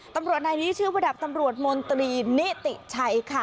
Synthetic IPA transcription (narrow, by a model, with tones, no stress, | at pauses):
t̪a˧mɾu˨˩ət̪̚naː˧jniː˦˥t͡ɕʰɯː˥˩wɾa˧da˨˩p̚t̪a˧mɾu˨˩ət̪̚mo˧nt̪ɾiː˧ni˦˥t̪i˨˩t͡ɕʰa˦˥jkʰa˥˩